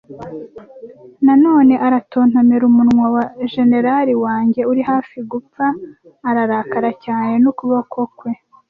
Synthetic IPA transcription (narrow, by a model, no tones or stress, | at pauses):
nano̞ːne̞ʔaɾatʰo̞ːn̥hameɾumunŋwawaʒe̞ne̞ɾaɾiwaːɲɟe̞uɾihaːfiɡup͡faː | ɾaɾaːkaɾacaːne̞nukuβakokwe̞